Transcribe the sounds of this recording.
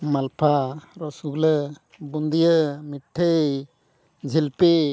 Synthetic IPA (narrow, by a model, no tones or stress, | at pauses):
malpʰaɾɔsuɡlə | bund̪ijəmiʈʰːəj | d͡ʒʱilpe